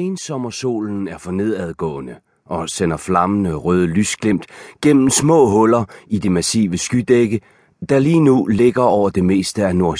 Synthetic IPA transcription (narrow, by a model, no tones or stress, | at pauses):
eːnsɒ̽mɐso̝̰ːln̩æɐfɒ̽ne̝ð̰ˠæð̞ˠɡ̥ɔ̰̽ːnə | ʔɒ̽sen̰ɐflɑ̈mənəʁœːð̞ˠəlysɡ̥lem̰d̥ɡ̥en̰m̩smɔ̰̽ːɦɔ̽lɐid̥e̝mæsḭːʋəsɡ̥yd̥eɡ̥ə | d̥ɑ̈liːnule̝ɡ̥ɐɒʊ̰ɐd̥e̝me̝̰ːsd̥əæno̝ɐ